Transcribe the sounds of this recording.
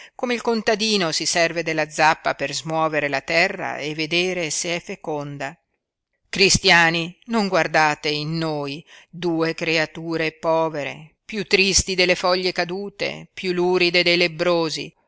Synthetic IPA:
komeilkont̪ad̪iːnosisɛrved̪elːad̪zapːaperzmwɔːveɾelat̪ɛrːa̰evːed̪eːɾeseɛfːekond̪a | kɾist̪jaːninoŋɡward̪aːt̪einːoːjd̪uːekɾeat̪uːɾepɔːveɾḛpjut̪ːɾist̪id̪elːefɔʎːekad̪uːt̪ḛpjulːuːɾid̪ed̪ejlebɾoːzḭ

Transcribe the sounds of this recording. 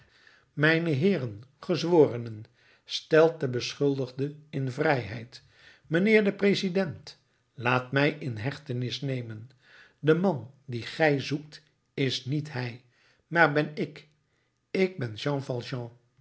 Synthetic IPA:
mɛjnəɦɪːrənχəzʋoːrənən | stɛlˠt̚dəbəsχɵlˠdəχdəɪnvrɛjɦɛjt | mənɪːɹdəprezidɛnt | laːtmɛjɪnɦɛχtənɪsnejmən | dəmɑndiχɛjzuk̚t | ɪsnitɦɛj | maːɹbɛnɪk | ɪɡ̚bɛnʒɑ̃fɑlˠʒɑ̃

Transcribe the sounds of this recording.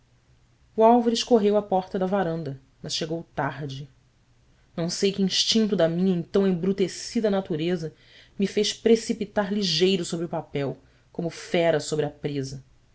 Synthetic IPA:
uawvɐɾiʃkoɦewɐpɔɾt̪ɐd̪ɐvaɾɐ̃nd̪ɐ | mɐsʃeɡowt̪aɾd͡ʒɪ | nɐ̃w̃sejkɪĩʃt͡ʃĩnt̪ʊd̪ɐmĩɲɐẽt̪ɐ̃w̃ẽbɾut̪esid̪ɐnat̪uɾezɐ | mifejʃpɾesipit̪aɾliʒejɾʊsobɾiʊpapɛw | kõmʊfɛɾɐsobɾɪɐpɾezɐ

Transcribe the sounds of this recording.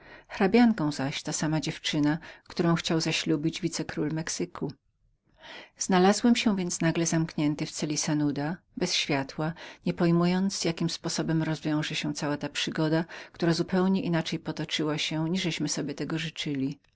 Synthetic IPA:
xɾabʲjaŋkɔ̃w̃zaɕt̪asamad͡ʑɛft͡ʂɘnakt̪uɾɔ̃w̃xt͡ɕawzaɕlʲubʲid͡ʑvʲit̪sɛkɾulmɛksɘkʰu | z̥nalazwɛmɕɛw̃vʲjɛnt̪snaɡlɛzamkɲɛnt̪ɘft̪sɛlʲisanud̪a | bɛsɕfʲjat̪waɲɛpɔjmujɔnt̪sjakʲimspɔsɔbɛmɾɔzvʲjɔ̃w̃ʐɛɕɛ̃w̃t̪sawat̪apʂɘɡɔd̪akt̪uɾazupɛwɲɛʔinat͡ʂɛjpɔt̪ɔt͡ʂɘwaɕɛ̃ɲiʐɛɕmɘsɔbʲjɛt̪ɛɡɔʐɘt͡ʂɘlʲi

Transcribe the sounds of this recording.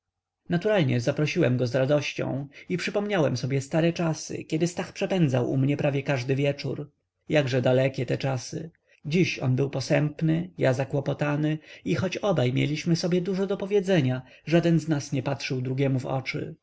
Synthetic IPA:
nat̪uɾalɲɛzapɾɔɕiwɛmɡɔzɾad̪ɔɕt͡ɕɔ̰̃w̃ipʂɘpɔmɲawɛmsɔbʲjɛst̪aɾɛt͡ʂasɘ̰kʲjɛd̪ɘst̪axpʂɛpɛnd̪zawʔumɲɛpɾavʲjɛkaʐd̪ɘvʲjɛt͡ʂṵɾ | jaɡʐɛd̪alɛkʲɛt̪ɛt͡ʂasɘ | d͡ʑiɕɔ̰nbɘwpɔsɛmpnɘjazakwɔpɔt̪anɘixɔt͡ɕɔbajmʲjɛ̰lʲiɕmɘsɔbʲjɛd̪uʐɔd̪ɔpɔvʲjɛd̪zɛɲa | ʐad̪ɛnznasɲɛpatʂɘwd̪ɾuɡʲjɛmuvɔ̰t͡ʂɘ̰

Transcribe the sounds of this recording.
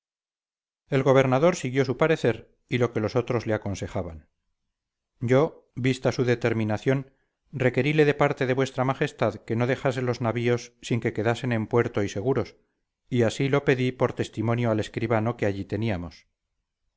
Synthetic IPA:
e̞lɣo̞β̞e̞ɾnaðo̞ɾsiɣjo̞supaɾe̞θe̞ɾ | ilo̞ke̞lo̞so̞t̪ɾo̞zle̞ako̞nse̞χaβan | ɟ͡ʝo̞ | bist̪asuðet̪e̞ɾmĩnaθjo̞n | re̞ke̞ɾile̞ðe̞paɾt̪eðe̞βwe̞st̪ɾamaχe̞st̪aðke̞no̞ðe̞xase̞lo̞znaβio̞sːiŋke̞ke̞ðase̞ne̞mpwe̞ɾt̪o̞ise̞ɣuɾo̞s | iasilo̞pe̞ðipo̞ɾt̪e̞st̪imõ̞njoale̞skɾiβano̞keaʝit̪eniamo̞s

